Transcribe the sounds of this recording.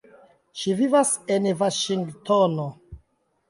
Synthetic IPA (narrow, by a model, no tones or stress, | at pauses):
ʃivivasenvaʃiŋɡtono